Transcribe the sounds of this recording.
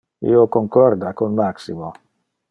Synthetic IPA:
ḭokoŋkɔɾd̪akonmaksimo

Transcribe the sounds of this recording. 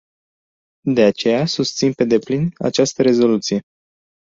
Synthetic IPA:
d̪e̞at͡ʃe̞jasust̪sinpe̞d̪e̞plina̰t͡ʃast̪əɾe̞zo̞lut̪sije̞

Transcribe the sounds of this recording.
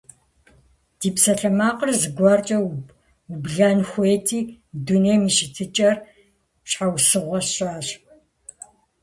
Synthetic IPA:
d̥iːpsɐɬɐmaːqərzɨɡʷɑːrt͡ʃʼɐ | ubɮaːnxʷeːtʰiː | duneːmiʃɪtʰɨt͡ʃʼɐr | ɕħawsɨʁʷɔɕʼaːɕ

